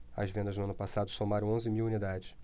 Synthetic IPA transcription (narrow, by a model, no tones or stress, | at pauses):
ɐ̰zvẽnd̪ɐʒnʊɐ̃nʊpasad̪ʊsomaɾɐ̃w̃õzɪmiwunid̪ad͡ʒɪʃ